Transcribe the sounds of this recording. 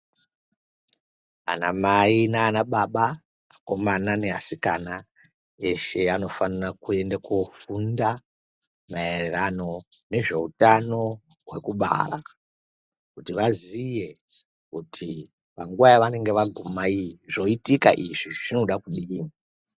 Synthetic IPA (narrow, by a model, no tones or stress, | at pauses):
a̰na̰mainaːnaɓaɓa | ako̞manane̞ɦa̰sikana | e̞ʃe̞ano̞fanirakue̞ndakofunda | maererano̞ | ne̞ʐe̞̰utano̞ | ɦwe̞̰kuɓa̰ra̰ | kutiʋazije̞ | kutʰi | paŋɡuʋajaʋane̞ŋɡe̞ʋaɡʱumaiʐo̞itika̰ʔiʐiʐino̞ɗakuɗina